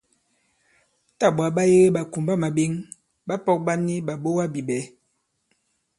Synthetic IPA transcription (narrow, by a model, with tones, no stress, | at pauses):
ta˦˨ɓwa˨˦ɓa˦je˦ɣe˦ɓa˨ku˨mba˦ma˨bi˦ŋ | ba˦pɔ˦k̚ba˦ni˦ɓa˨bo˦wa˦bi˨bɛ˨˦